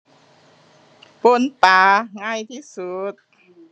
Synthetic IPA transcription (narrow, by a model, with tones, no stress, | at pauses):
po˧˩˨npaː˨˦ŋa˧˥˩jt̪ʰiː˧˨su˨˦t̪̚